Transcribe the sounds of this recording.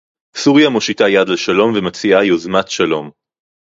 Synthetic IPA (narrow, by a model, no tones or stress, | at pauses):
suʁjamoʃitajad̪leʃalo̞mvemat͡siajozmat̪ʃalo̞m